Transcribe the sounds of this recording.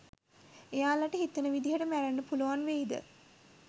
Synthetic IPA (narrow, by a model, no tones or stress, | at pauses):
ejaːlaʈəɦit̪ənəʋid̪iɦəʈəmæɾənːəpuluʋanʋeid̪ə̰